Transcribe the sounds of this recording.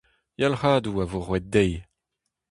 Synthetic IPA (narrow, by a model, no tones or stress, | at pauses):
jalχaːd̪uavoʁwɛt̪̚dɛj